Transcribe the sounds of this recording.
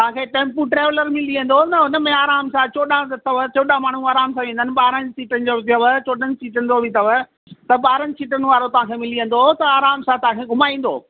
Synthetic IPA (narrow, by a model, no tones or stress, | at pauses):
t̪ɐʋ̤ãkʰeːʈẽːmpuʈɾeːʋləɾmɪliə̃n̆d̪onɐɦʊnəmẽaːɾaːmsãt͡ɕoːɗãt̪ɐʋət͡ɕoːɗãmaːɳ̤uaːɾaːmsãʋẽːn̆d̪ənɪ̆ɓaːɾənsiːʈənɪ̆d͡ʑoːd͡ʑɐʋt͡ɕoːɗənɪ̆siːʈənɪ̆d̪oːbɪt̪ɐʋə | t̪ɐɓaːɾənɪ̆siːʈənɪ̆ʋaːɾot̪ɐʋ̤ãkʰeːmɪliə̃n̆d̪ot̪ɐaːɾaːmsãt̪ɐɦãːkʰeːɡʱʊmaːĩːn̆d̪o̰ː